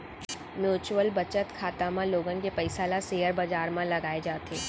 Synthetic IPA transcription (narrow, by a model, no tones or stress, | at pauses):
mjuːt͡ʃuwəlbɐt͡ʃət̪kʰaːt̪amãloːɡənɪ̆kepɐɪsalaseːəɾbad͡ʒaːɾmãlɐɡaːed͡ʒaːt̪ʰeː